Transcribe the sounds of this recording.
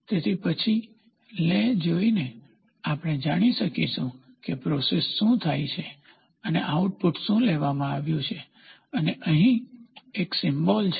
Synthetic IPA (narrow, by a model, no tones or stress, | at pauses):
t̪et̪ʰipət͡ʃʰi | led͡ʒoine | apəɽ̃ed͡ʒaɽ̃iʃəkiʃũ | kepɾɔsesːũt̪ʰajt͡ʃʰe | əneʔauʈ̚puʈʃũleʋamãaʋjũt͡ʃʰe | əneʔəɦĩeksɪmbɔlt͡ʃʰ